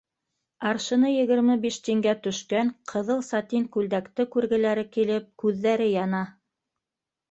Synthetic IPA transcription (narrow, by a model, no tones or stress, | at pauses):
ɑɾʃɤ̆nɤjɘ̆ɡɘ̆ɾmɘbiʃt̪iŋɡæt̪ɵ̆ʃkæŋqʰɤ̆ðɤlˠsɑt̪iŋkʉld̪ækt̪ɘkʉɾɡɘ̆læɾɘkilɘp̚kʉðːæɾɘjɑnɑ